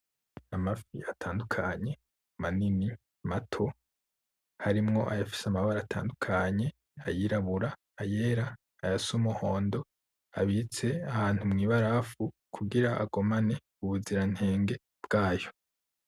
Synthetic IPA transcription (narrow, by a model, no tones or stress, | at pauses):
amafiatʰaːndukʰaɲe̞ | manini | matʰo̞ | haɾimŋo̞ʔajafi̥seamaβaɾaːtʰa̰ːndukʰaɲe̞ | ajiːɾaβuɾaː | je̞ːɾaː | jasumuho̞ːndo̞ | a̰βit͡se̞ahaːntumŋiːβaɾafu | kʰuɡiɾaʔa̰ɡo̞mane̞ | uβuziɾan̥he̞ːŋɡe̞ | b̥ɡ̥aːjo̞